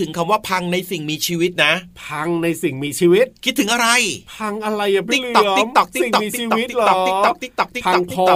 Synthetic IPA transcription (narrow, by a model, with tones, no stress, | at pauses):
t̪ʰɯ˩˦ŋkʰa˧mwaː˥˩pʰa˧ŋna˧jsi˨˩ŋmiː˧t͡ɕʰiː˧wi˦˥t̪̚na˦˥pʰa˧ŋna˧jsi˨˩ŋmiː˧t͡ɕʰiː˧wi˦˥t̪̚kʰi˦˥t̪ʰːɯ˩˦ŋʔa˧ɾa˧jpʰa˧ŋʔa˧ɾa˧jːa˨˩i˦˥kt̪ɔ˨˧˩i˦˩m̚t̪ɔ˨˩k̚t̪i˦i˨˩ŋt̪ɔ˨mː˩˧i˦˥˧ɔ˨w̚t̪i˦lt̪ɔ˨˦k̪̚i˦˥ɔ˨˩kt̪i˦˥k̚t̪ɔ˨˩k̚t̪i˦˥pa˧ɔ˨ŋ̚ʰi˥o˧ɔ˧˩